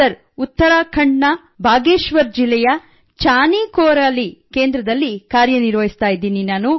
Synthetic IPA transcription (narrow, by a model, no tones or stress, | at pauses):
ɐɾ | ut̪ːɐɾaːkʰɐɳːɐ | bʱaːɡeːʃʋɐɾd͡ʒilːɛjɐ | t͡ʃaːnikɔːɾaːlike̞ːnd̪ɾɐd̪ɐlːikaːɾjɐniɾʋɐɦist̪aːjid̪iːninaːnu